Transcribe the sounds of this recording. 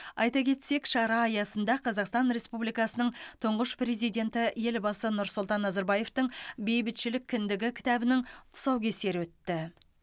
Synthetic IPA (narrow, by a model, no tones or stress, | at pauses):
ɑjt̪ɑkʲʰe̞t̪se̞kʃɑɾɑːjɑsənd̪ɑqʰɑzɑqst̪ɑnɾe̞spublijkɑsənəɴt̪ʰʊɴʁəʃpɾe̞zijd̪ʲe̞nt̪ɪje̞lbɑsənʊɾsʊlˠt̪ɑnːɑzɑɾbɑje̞ft̪əɴbe̞jbɪt̪ʃɪlɪkʲʰːɪnd̪ɪɡʲɪkʲʰɪ̥t̪æbɪnɪŋt̪ʰʊ̥sɑwkʲe̞se̞ɾwɵt̪ːɪ